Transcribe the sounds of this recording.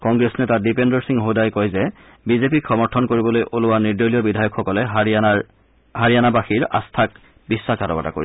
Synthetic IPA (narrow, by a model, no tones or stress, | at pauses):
kɔŋɡɹesnetadipendɔɹsiŋɦodajkɔjzɛ | bizepikxʰɔmɔɹtʰɔnkoɹibɔlojʔolʊwaniɹdolijɔbidʱajɔkxɔkɔlɛ | ɦaɹijanabaxiɹa̰stʰak | bisːakatɔbata̰ko̰ɹi